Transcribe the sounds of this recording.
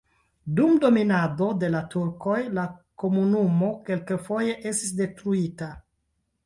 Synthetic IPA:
dumdo̞minado̞de̞latuɾko̞jlako̞munumo̞ke̞lkefo̞je̞ʔe̞stis̬de̞tɾuita

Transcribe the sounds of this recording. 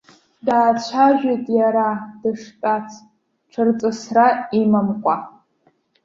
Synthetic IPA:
daːt͡ɕʷʰaʒᶣetʼjaɾad̥ɨʂtʼat͡sʰ | ʈ͡ʂʰɨrt͡sʼɨsraimamqʷʼa

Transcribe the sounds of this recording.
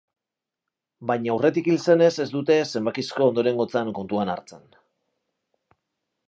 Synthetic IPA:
bajɲauwre̞t̪ikilse̞ne̞se̞zd̪ut̪e̞se̞mbakisko̞ːnd̪o̞ɾe̞ŋɡo̞t͡saŋko̞nt̪uana̰ɾt͡se̞n

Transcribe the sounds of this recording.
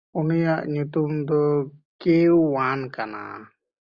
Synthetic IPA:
unijaʔɲut̪umd̪ɔkewːankana̰

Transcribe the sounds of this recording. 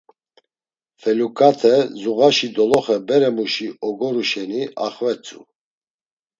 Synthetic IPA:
fɛlukʼat̪ʰɛzuɣaʃid̪ɔlɔχɛbɛɾɛmuʃiɔɡɔɾuʃɛnia̰χvɛt͡sʼṵ

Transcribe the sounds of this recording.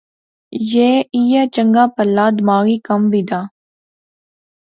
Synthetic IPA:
jeːiːjat͡ʃəŋɡaːpəlːaːd̪maːɾiːkəmbiːd̪aː

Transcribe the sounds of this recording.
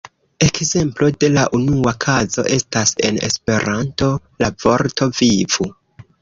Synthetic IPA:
e̞kze̞mplo̞de̞laʔunuakʰazo̞̰ʔe̞stase̞̰ne̞̰spe̞ɾanto̞ | lavo̞ɾtʰo̞vivu

